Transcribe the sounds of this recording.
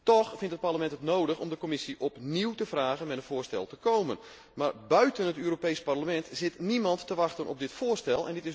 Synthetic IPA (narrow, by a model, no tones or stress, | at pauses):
tɔxfɪntət̚parləmɛntətnowdəxɔmdəkomɪsiʔɔpniwtəfraːɣənmɛtənv̥ʊːrstɛ̰lˠtəkowmən | maːrbœɥtənətøːropejsparləmɛntz̥ɪtnimɑntːəʋɑxtənɔ̰p̚dɪtfʊːrstɛlˠɛ̰ndɪtɪ